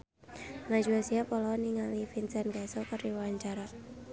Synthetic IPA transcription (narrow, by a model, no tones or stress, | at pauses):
ŋad͡ʒuasiapɔlɔniŋalifinsanɡasɔkəɾiwaɲt͡ʃaɾa